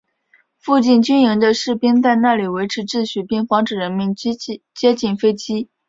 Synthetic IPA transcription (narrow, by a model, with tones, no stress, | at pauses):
fu˥˧t͡ɕi˥˩nt͡ɕy˥ni˧˥ŋd̪ə˧ʂɻ̩˥˩pi˥nt͡sa˥˧ɪna˥˩li˨˩we˧˥ɪʈ͡ʂʰɻ̩˧˥ʈ͡ʂɻ̩˥˧ɕy˥˩pi˥˩ŋfɑ˧˥ŋʈ͡ʂɻ̩˨˩ɻə˧˥nmi˧˥n˥˧ | t͡ɕjɛ˥t͡ɕi˥˩nfe˥ɪt͡ɕi˥